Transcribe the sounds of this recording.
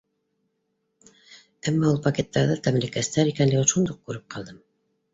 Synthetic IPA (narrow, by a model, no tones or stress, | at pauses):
æmːæulˠpɐkʲet̪ːɑɾðɤt̪æmlikæst̪æɾikænlɘɡoʃund̪uq̚kʉɾɘp̚qʰɑlˠd̪ɤm